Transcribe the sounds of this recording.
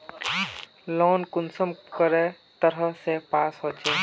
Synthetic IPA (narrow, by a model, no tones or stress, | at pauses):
loːnkʊnsəmkəɾe | t̪əɾəsepaːsɦoːt͡ʃeː